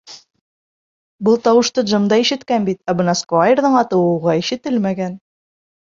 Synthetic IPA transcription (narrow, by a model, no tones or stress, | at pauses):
bɤlˠt̪ɑwɤ̆ʃt̪ɤd̪ʒɤ̆md̪ɑiʃɘ̆t̪kænbit̪æbɤ̆nɑskajerðɤɴɑt̪ɤ̆wɤ̆wʁɑiʃɘ̆t̪ɘlmæɡæn